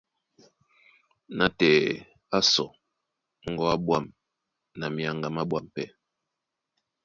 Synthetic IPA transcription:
na˦tɛ˨ | a˦sɔ̰˨ | ŋ̩˦ɡɔ˦a˦bwa˦˨m | na˨mi˨˦a˨ŋɡa˨ma˦bwa˦mpɛ˦

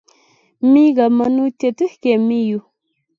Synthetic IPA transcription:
mi˦ɡa˨ma˨nu˦te˨tu˦hke˨mi˦ju˦

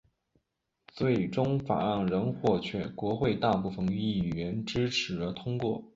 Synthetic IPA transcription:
t͡swe˥˩ɪʈ͡ʂʊ˥ŋfa̰˨˩a˥˩nɻə˧˥nxwɔ˥˧t͡ɕʰɥɛ̰˥˩kwɔ˧˥xwe˥˧ɪt̪a˥˧pu˥˩fə˧˩ŋi˥˩˨ɥɛ˧˥nʈ͡ʂɻ̩˥ʈ͡ʂʰɻ̩˧˥ə˧˥t̪ʰʊ˥ŋkwɔ˥˩

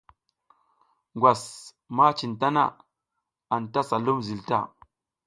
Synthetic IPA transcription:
ŋɡʷa˨s | ma˦t͡ʃi˨nta˦na̰˦˨ | a˨nta˦sa˨lu˦mzi˨lta̰˦˨

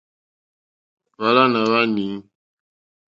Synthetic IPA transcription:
βa˦la˦na˨βa˦ni˨˦

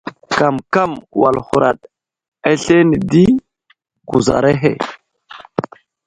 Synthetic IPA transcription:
ka˨mka˦˨mwa˨lhu˨ɾa̰˨ɗ | e˦ɬe˦ni˨di˦ | ɡ̥u˨za̰˨ɾe˦ɦḛ˨

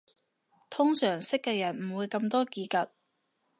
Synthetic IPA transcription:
t̪ʰʊ˥ŋsœː˨˩ŋsɪ˥kːɛː˧jɐ˨˩nm̩˨˩wuː˨˧jkɐ˧mt̪ɔː˥kiː˨˧kɐ˨t̚

